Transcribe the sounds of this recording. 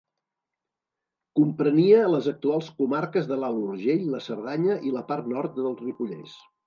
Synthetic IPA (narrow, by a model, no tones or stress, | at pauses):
kumpɾəniəːləzək̚t̪ualˠskumaɾkəzðəlaluɾʒeʎləsəɾðaɲəʔiləpart̪nɔɾt̪̚d̪əlˠzripuʎɛ̰s